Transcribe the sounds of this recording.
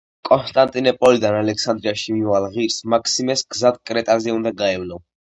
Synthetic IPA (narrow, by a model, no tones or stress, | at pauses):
kʼɔnst̪ʼant̪ʼinɔpʼɔlid̪analɛksand̪ɾiaʃimivalˠʁiɾsmakʰʼsimɛsɡzad̪kʼɾɛt̪ʼazɛund̪aɡaɛvlɔ